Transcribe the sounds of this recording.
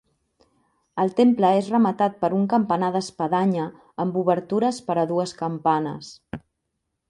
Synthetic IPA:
əlˠt̪empləezrəmət̪at̪̚pəɾuŋkəmpənaðəspəðaɲəː | mbuβəɾt̪uɾəspəɾəðuəskəmpanə̰s

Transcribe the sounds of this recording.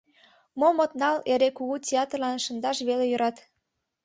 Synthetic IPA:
momot̪nɑleɾekuɣutʲeɑt̪rlɑnʃə̆nd̪ɑʃβelejøɾɑt̪

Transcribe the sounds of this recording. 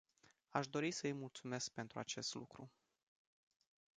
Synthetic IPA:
aʃd̪o̞ɾisəɨjmult̪sume̞sk̚pe̞nt̪ɾuat͡ʃe̞st̪lṵkɾu

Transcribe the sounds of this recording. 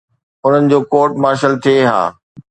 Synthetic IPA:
ʊn̤ənɪ̆d͡ʑoːkoːʈmaːʃəlt̪ʰieɦa̰ː

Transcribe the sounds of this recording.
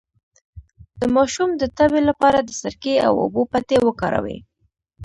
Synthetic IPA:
d̪̥əmɑʃumd̪ət̪abelapɑɾad̪əsaɾkea̰wʊ̰bopat̪ewəkɑɾa̰wḛ

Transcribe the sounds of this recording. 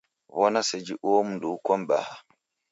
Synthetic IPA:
wɔnased͡ʒiʔoːmunduwkɔmba̰ha

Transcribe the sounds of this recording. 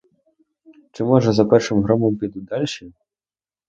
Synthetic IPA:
t͡ʃɪmɔʐɛzɐpɛrʂɪmɦɾɔmɔmpʲid̪ʊd̪ɑlʲʃi

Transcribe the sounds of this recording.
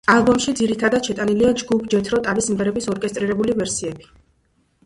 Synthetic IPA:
alˠbɔmʃid̪ziɾit̪ʰad̪ad̪ʃʰɛt̪ʼaniliad͡ʒɡupʰd͡ʒɛt̪ʰɾɔt̪ʼavismvɛɾɛbisɔɾkʼɛst̪ʼɾiɾɛbulivɛɾsiɛbi̥

